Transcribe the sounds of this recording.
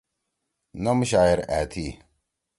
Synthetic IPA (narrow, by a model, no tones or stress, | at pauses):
nɐmɕaːjiɾæːt̪ʰi